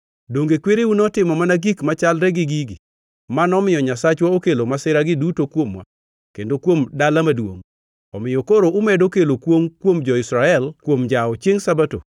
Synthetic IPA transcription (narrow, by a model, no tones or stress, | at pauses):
doŋɡekweɾeunɔtɪmɔmanaɡikmat͡ʃalɾɛɡɪɡiɡi | manɔmɪjɔɲasat͡ʃwaokelomasɪɾaɡɪdutokwomwa̰ | kendokwomdalamadwo̰ŋ | ɔmɪjokoɾoʔʊmedokelokwoŋkwomd͡ʒɔɪsɾaɛlkwomd͡ʒaɔt͡ʃjeŋsabato̰